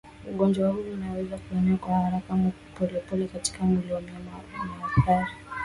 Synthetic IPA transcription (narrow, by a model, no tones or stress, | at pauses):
uɠɔnd͡ʒwahuːnawɛzakuɛnɛakwahaɾakam | pɔlɛpɔlɛkati̥kamuliɔmaamaakaɾi